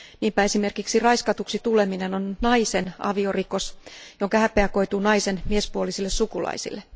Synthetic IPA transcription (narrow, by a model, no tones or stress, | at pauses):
niːmpæesimerkiksirɑiskɑt̪uksit̪ule̞minenonnɑisenɑ̰ʋioriko̞sjoŋkɑhæpeæko̞it̪uːnɑisenmiespuolisilːessukulɑ̰isḭlːe